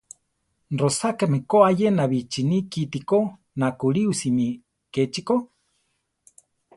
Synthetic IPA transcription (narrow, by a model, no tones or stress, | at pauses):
rosakamekoajenaβit͡ʃinikit̪iko | nakuɾiusini | ket͡ʃiko